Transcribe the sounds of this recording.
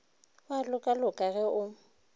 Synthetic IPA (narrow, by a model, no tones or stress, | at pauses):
walʊkʼalʊkʼaɣɛʔʊ